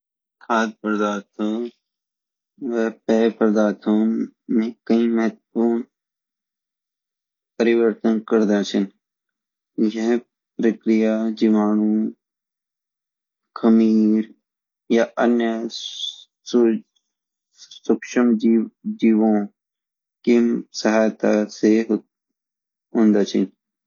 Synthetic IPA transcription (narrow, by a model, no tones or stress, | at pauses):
t̪ʰaːd̪̚pəɾd̪aːt̪ʰõ | ʋɛːpɛːpəɾd̪aːt̪ʰõːmẽːkəĩːməɦət̪puːn | pəɾɪʋəɾt̪ənkəɾd̪ãːsɪn | jeɦ | pɾəkɾɪjaːd͡ʒiʋaːɳuː | kʰəmiːɾ | jaʔənjə | sʊkʃəmd͡ʒiːʋõː | kimsəɦaːjt̪aseɦ | ɦʊ̃ːnd̪aːt͡ʃʰɪn